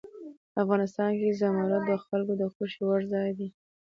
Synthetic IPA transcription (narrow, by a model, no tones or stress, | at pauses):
afɣɑnɪs̬t̪ɑnkezamɑɾat̪̚d̪əxalkod̪əxoʃiwaɾzɑjd̪i